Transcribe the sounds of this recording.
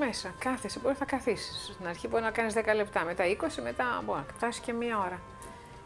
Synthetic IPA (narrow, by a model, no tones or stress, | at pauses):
me̞sɐkɐθesiboɾiθɐkɐθisi̥st̪inɐɾçipuɾinɐkɐnizðekɐlept̪ɐme̞t̪ɐiko̞sime̞t̪ɐboɐft̪ɐsi̥sce̞miɐo̞ɾɐ